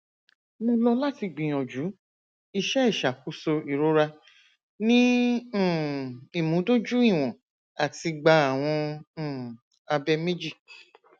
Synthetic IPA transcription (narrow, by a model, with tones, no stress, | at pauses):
mõ˧lɔ˧la˦ti˧ɡ͡bĩ˨ɔ̃˨d͡ʒu˨˦ | i˧ʃɛ˦i˦˨ʃa˨ku˧˦so˧i˨ɾo˦ɾa˧ | nĩ˦˨ | i˨mũ˨˦do˦d͡ʒu˦i˦˨w̃ɔ̃˨ | a˨ti˧ɡ͡ba˧˦a˨w̃ɔ̃˧˦˨ | a˧bɛ˧me˦d͡ʒi˦˨